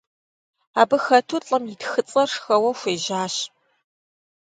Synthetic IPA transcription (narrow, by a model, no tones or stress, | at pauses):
aːbɨxɐtʰuɬʼɐmjidxɨt͡sʼɐrʂxɐwɐxʷeːʑaːɕ